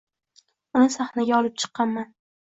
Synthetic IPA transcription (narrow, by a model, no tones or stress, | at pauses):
ʊnɪsaχnaɡʲaɒlˠɪp̚t͡ʃʰɨ̥qːɑnman